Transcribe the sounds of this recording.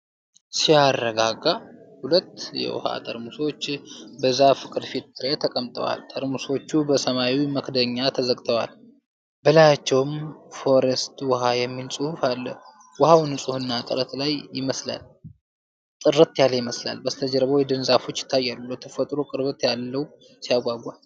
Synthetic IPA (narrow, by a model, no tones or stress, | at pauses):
sijarːəɡaɡahulət̪ːjɛ̰wʊ̰ha̰t̪ʼə̰ɾmuso̞t͡ʃːbəzːafɨ̥kʼɨd̪fit̪̚t̪ʰːɨɾet̪ʰəkʼəmt̪ʼə̰wa̰lt̪ʰʼəɾmuso̞t͡ʃːubəsəmaiməkd̪əɲːat̪ʰəzəkʼt̪ʰəwal | bɨlajat͡ʃːɛwmfo̞ɾest̪wɔɦajɛmːilsʼɨhufalːə̰h | wɔhawnɨsʼuhɨnːat̪ʼɨɾət̪lajjɪməsla̰l | t̪ʼɨrət̪jaləjɪməsla̰lbəst̪ʰəd͡ʒɛɾβojɛd̪ɨnzafo̞t͡ʃːɪ̥t̪ʰːajːalːəwt̪ʰəfət̪ʼɾokʼɨɾβɨt̪jalːəw | sijaɡʷaɡʷːal